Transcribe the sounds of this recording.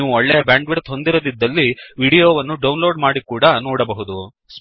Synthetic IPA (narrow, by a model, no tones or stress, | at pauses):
ʋuɔɭːejɐbaːɳɖʋeɾt̪ɦo̞nd̪iɾod̪id̪ːɐlːiʋiːɽijoːʋɐnːuɖɐwunloːɖmaːɽikuːɽɐnɔːɽɐbɐɦud̪u | s